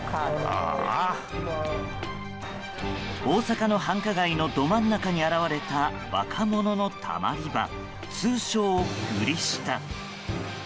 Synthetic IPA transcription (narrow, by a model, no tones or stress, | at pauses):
a̰ | o̞ːsakano̞hãŋkaɡaino̞d̪o̞mãnːakaɲ̟iaɾaβaɾe̞t̪a | βa̰kʰamo̞no̞no̞t̪ʰa̰ma̰ɾʲiba̰ | t͡sɨːɕo̞ːkɯ̟ɾʲiɕi̥t̪a